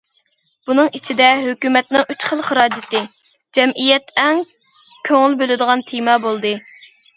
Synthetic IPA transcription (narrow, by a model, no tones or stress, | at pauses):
b̥unɨŋit͡ʃʰid̪ɛɦøkʲymɛt̪nɪŋyt͡ʃχəlˠχəɾɑːd͡ʒɪt̪ɨ | d͡ʒɛmʔijɛt̪ɛŋ | kʲʰøŋɪlbølɪd̪əʁɑnt̪ʰijmɑːbolˠd̪ɨ